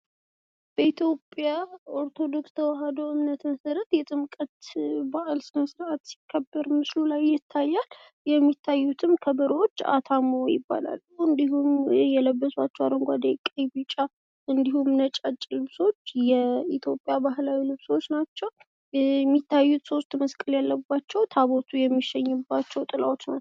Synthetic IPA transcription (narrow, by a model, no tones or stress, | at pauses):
b̥əit̪ʰjo̞pʼjaoɾt̪ʰo̞d̪o̞kst̪ʰəwaɦad̪owʔɨmnət̪məsəɾət̪jɛt̪ʼɨmkʼət̪baʔalsɨnəsɨɾʔat̪si̥kʰːəbːəɾmɨslulajːɪt̪ʰːajːal | jɛmːit̪ʰːajːut̪ʰɨmkʰəbəɾwot͡ʃːa̰t̪ʰamojɪ̰bːa̰la̰lːuɨnd̪iɦumjɛləbːəswat͡ʃːɛwaɾəŋɡʷad̪ekʼːəjbɨt͡ʃʼa | ʔɨnd̪ihumnət͡ʃʼat͡ʃʼːlɨβso̞t͡ʃːjɛit̪ʰjo̞pʼjabaɦlawilɨβso̞t͡ʃːnat͡ʃːɛw | mːit̪ʰːajːut̪so̞st̪məskʼəljalːəbːat͡ʃːɛwt̪ʰaβot̪ʰujɛmːiʃɛɲːɨbːat͡ʃːɛwt̪ʼɨlawot͡ʃna